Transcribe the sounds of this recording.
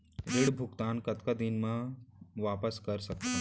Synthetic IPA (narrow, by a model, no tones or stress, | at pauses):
ɾɪɽbʱʊɡt̪aːnkɐt̪kad̪ɪnmãʋaːpəskɐɾsɐk̚t̪a